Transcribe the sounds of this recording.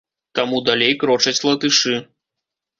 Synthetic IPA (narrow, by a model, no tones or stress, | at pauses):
t̪amud̪alʲejkɾɔt͡ʂɐt͡sʲlˠɐt̪ɨʂɨ